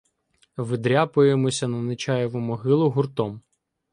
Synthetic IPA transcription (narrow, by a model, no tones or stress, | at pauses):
ʋɪd̪ɾʲapʊjemɔsʲɐnɐnɪt͡ʃɑjɛʋʊmɔɦɪlˠʊɦʊrt̪ɔm